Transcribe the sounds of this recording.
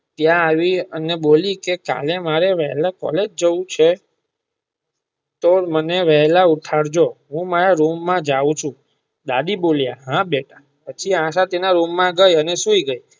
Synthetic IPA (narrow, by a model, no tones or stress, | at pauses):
t̪jãaʋiənebolikeka̰lemaɾeʋəɦlakɔ̰led͡ʒd͡ʒəũt͡ʃʰe | t̪oməneʋəɦɛlauʈʰaɽd͡ʒoɦũmaɾaɾumːãd͡ʒaũt͡ʃʰũ | d̪aɗ̪iboljaɦãɓeʈʰa | pət͡ʃʰiãʃ̬at̪enaɾumːãɡəjəneʃũiɡəi